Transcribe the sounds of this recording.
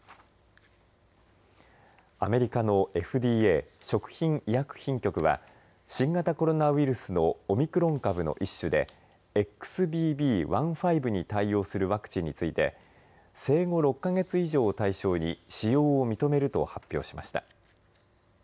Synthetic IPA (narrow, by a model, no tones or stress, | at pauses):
ame̞ɾʲikano̞ʔe̞ɸɯ̟d̪iːe̞ːɕo̞kɯ̟̥çĩŋijakɯ̟̥çĩŋkʲo̞kɯ̟βa̰ | ɕĩŋɡat̪ako̞ɾo̞naβiɾɯ̟sɨno̞ːmʲikɯ̟ɾõ̞ŋkabɯ̟no̞̰ʔiɕːɨd̪e̞ | ekːɯ̥sɨbʲiːbʲiːβãɰ̃ɸaibɯ̟ɲ̟it̪aio̞ːsɨɾɯ̟βakɯ̟̥t͡ɕĩɲ̟ːit͡sɨit̪e̞̰ | se̞ːɡo̞ɾo̞kːaɡe̞t͡sɨiʑo̞ːt̪aiɕo̞ːɲ̟iɕijo̞ːmʲit̪o̞me̞ɾɯ̟t̪o̞̰hapʲːjo̞̰ːɕima̰ɕi̥t̪a